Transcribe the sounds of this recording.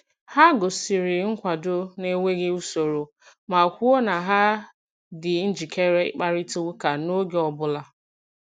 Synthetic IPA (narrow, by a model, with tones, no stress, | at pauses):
ha˦ɡʊ˨si˨ɾɪ˨ŋ̩˦kʷa˨do˦ne˦ŋʷe˦ɣɪ˦u˦so˨ɾo˨ | ma˨kʷu˦o˦na˨ɦa˦ | dɪ˨n̩˦d͡ʒi˨kʰe˦ɾe˦k͡pa˦ɾɪ˦tu˦ɣka˨no˦ɡe˦ɔ˨bʊ˦la˦